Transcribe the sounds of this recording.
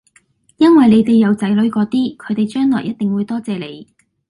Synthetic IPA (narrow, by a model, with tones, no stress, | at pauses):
jɐ˥nwɐ˨jle˨˧jt̪e˨jːɐ˨˧wt͡sɐ˨˥jlɵ˨˥ɥkɔː˨˥t̪iː˥kʰɵ˨˧ɥt̪e˨jt͡ʃœː˥ŋlɔː˨˩jːɐ˥t̪̚ɪ˨ŋwuː˨˧jt̪ɔː˥t͡sɛː˨le˨˧j